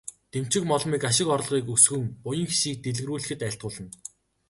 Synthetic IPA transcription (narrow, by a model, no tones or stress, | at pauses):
t̪em̥t͡ɕɪ̆kmɔɮmiːkaʃɪ̆kɔɾ̆ɮʁiːkusxɵ̆ŋpʊjə̆ŋxi̥ʃiːk̚t̪eɮ̆ɣruːɮɘ̆xɘ̆t̪æɬt̪̚ɢʊːɮə̆n